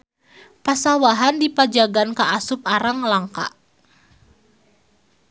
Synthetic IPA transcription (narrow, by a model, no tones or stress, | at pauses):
pasawaɦandipad͡ʒaɡankaʔasʊp̚aɾaŋlaŋka̰